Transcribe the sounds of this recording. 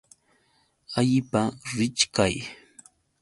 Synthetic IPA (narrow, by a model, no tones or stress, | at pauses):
aʎɪpaɾɪt͡ʃkaj